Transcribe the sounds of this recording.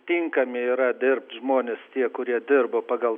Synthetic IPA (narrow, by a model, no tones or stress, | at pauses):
t̪ʲiŋkɐmʲɪiːɾɐd̪ʲɪrpt̪ʲʒmoːnʲest̪ʲiɛkʊɾʲiɛd̪ʲɪrboːpɑːɡɐlˠ